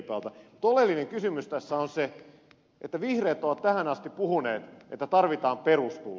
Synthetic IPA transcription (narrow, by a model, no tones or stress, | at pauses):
peɑlt̪ɑut̪olelːineŋkysymyst̪æsːæonse | ʔet̪ːæʋihreːt̪ːˑoʋɑt̪tæhænɑst̪ippuhuneːt̪ʔḛt̪ːæt̪ɑrʋit̪ɑːmperust̪ṵl